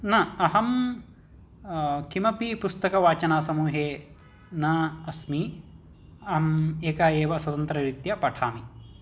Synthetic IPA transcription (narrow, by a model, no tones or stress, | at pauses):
nɐɐɦɐm | kimɐpipust̪ɐkɐʋaːt͡ʃɐnaːsɐmuːɦeː | naɐsmi | ɐɦɐmeːkaːjeːʋɐswɐt̪ɐnt̪ɾɐɾit̪jɐpɐʈʰaːmi